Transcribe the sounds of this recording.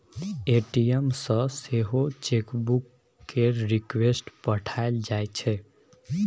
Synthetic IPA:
eʈijemsə̃seɦot͡ʃekbukː | eɾɾikwesʈpəʈʰaeld͡ʒajt͡ʃʰɛ

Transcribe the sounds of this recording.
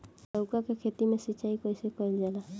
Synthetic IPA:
lɔʊkakekʰet̪imẽsit͡ʃaikɔjsekɔjld͡ʒala

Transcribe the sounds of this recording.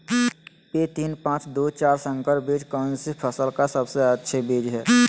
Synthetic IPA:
pet̪iːnpãːt͡ʃd̪oːt͡ʃaːɾsə̃ŋkəɾbeːd͡ʒkə̃ːnsɪpʰəsəlkasəbseətːʃʰebeːd͡ʒɦɛː

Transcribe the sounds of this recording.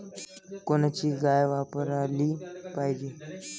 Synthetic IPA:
konət͡ɕiːɡajʋapəɾaliːpajd͡ʑiː

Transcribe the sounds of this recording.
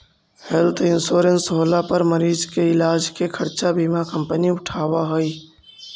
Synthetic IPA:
hɛlt̪ʰɪnsoːɾənsɦoːlapəɾməɾiːzkeɪlaːd͡ʒkekʰəɾt͡ʃabʱiːmakə̃mpəniʊʈʰaːwaɦoiː

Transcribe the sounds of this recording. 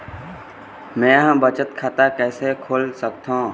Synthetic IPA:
mɛ̃ːɦə̃bət͡ʃət̪kʰaːt̪akɛːsekʰoːlsək̚t̪õ

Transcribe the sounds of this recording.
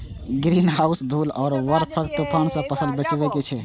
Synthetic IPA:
ɡɾinɦausd̪ʱulɔːɾʋəɾpʰəkt̪upʰansə̃pəsəlbet͡ʃbɛket͡ʃʰɛ

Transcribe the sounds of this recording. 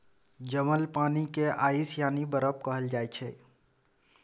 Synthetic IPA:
d͡ʒəməlpaːnikeaːisjaːnibəɾəp̚kəɦəld͡ʒat͡ʃʰɛ

